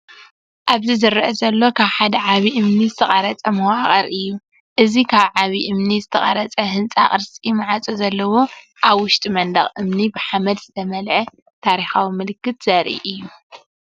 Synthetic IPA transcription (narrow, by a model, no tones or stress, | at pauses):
ʔaβzɨzɨɾːʔɐzɐlːo̞kʰaβħad̪ɐʕaβiʔɨmnizɨt̪ʰɐχʼɐɾɐt͡sʼɐmɐwaχʼɐɾɨjːu | ʔɨzikʰaβʕaβiʔɨmnizɨt̪ʰɐχʼɐɾɐt͡sʼɐɦɨnt͡sʼa̰χʼɨɾsʼimɨʕat͡sʼozɐlːɐwo̞ | ʔaβwʊʃt̪ʼimɐnd̪ɐχʼʔɨmnibɨħamɐd̪zɨt̪ʰɐmɐlʕɐ | t̪ʰaɾixawimɨlɨkːɨt̪z̥ɐɾʔḭʔɨjːu